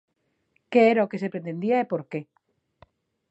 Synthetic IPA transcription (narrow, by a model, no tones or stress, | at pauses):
keeɾaoke̞sepɾent̪e̞nd̪iaepo̞ɾke̞